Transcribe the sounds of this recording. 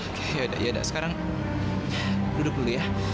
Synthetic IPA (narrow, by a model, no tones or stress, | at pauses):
kjauda̰ʔjauda̰ʔsə̥kaɾaŋ | dudʊk̚dulujah